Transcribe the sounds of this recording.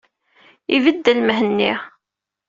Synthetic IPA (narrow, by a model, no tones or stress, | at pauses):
ivəd̪ːəlməɦənːi